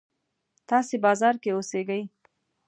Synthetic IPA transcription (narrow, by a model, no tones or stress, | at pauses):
t̪ɑsebɑzɑɾkeoseɡəj